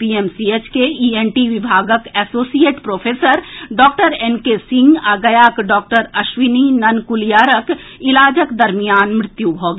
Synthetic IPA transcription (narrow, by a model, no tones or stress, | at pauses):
pieːmsiet͡ʃkeiːenʈiʋɪbʱaːɡəkɛːsoːsijeːʈpɾoːfʰeːsəɾɖɔːk̚ʈəɾeːnkesɪ̃ŋɡaːɡəjaːkɖɔːk̚ʈəɾɐʃʋɪninɐnkʊlijaːɾəkɪlaːd͡ʒəkd̪ɐɾmijaːnmɾɪt̪juɦoːɡ